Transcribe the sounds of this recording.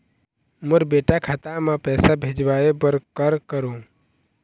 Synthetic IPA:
mʊɾbeːʈakʰaːt̪amãpɛːsabʱed͡ʒbaebəɾkəɾkəɾũ

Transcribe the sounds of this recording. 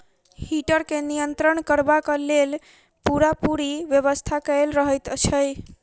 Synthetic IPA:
hiʈəɾkenijənt̪ɾəɳkəɾbakalel | puɾapuɾiʋjəʋəst̪ʰakəjlɾəɦət̪ət͡ʃʰəj

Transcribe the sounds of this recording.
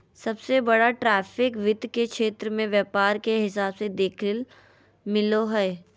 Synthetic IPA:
sɐbsebɐɽaʈɾɛːfɪkʋɪd̪ʱkekʃeːt̪ɾəmẽʋjɛːpaːɾkeɦɪs̬aːbsed̪eːkʰl | mɪloɦɛː

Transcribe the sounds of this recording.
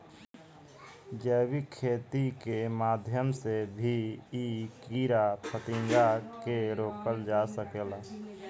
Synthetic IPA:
d͡ʒəbikʰːeːt̪ikemaːd̪ʱjəmsebʱiikiɾapʰət̪ɪ̃ŋd͡ʒakeɾoːkəld͡ʒasəkel

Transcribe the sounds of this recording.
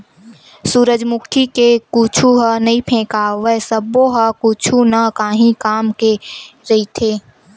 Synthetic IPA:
suːɾəd͡ʒmʊkʰikekut͡ʃʰuɦɐnɐɦĩpʰẽːkaːʋəsəboɦɐkuːt͡ʃʰunɐkaːɦĩkaːmkeɾɐɦit̪ʰeː

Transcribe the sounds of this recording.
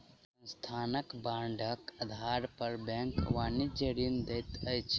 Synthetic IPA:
sə̃nst̪ʰaːnəkbaːɳɖʱəkɐd̪ʱaːɾpəɾbɛ̃ːŋkʋaːnid͡ʒeɾind̪et̪ɐjt͡ʃʰ

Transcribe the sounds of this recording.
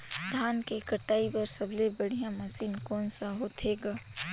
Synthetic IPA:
d̪ʱaːnkekəʈaːibɐɾsəblebəɽ̤ijãmɐsiːnkɔːnsaɦot̪ʰeːɡaː

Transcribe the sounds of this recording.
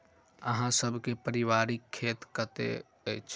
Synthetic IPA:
əɦãsəbʱkepəɾɪʋaːɾɪkʰːeːt̪kət̪ḛ | t͡ʃʰ

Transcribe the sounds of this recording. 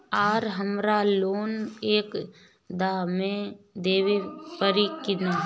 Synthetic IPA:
aːɾɦəmɾaloːneːk | d̪aːmẽd̪eːʋepəɾikɪna

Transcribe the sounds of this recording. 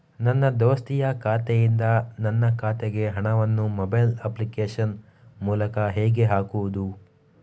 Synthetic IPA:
nɐnːɐd̪oːst̪ijɐkʰaːt̪ejind̪ɐnɐnːɐkʰaːt̪eɡe̞ɦɐɳɐʋɐnːumɔbɐjlɐplikeːʂɐn | muːlɐkɐɦeːɡe̞ɦaːkuʋud̪u

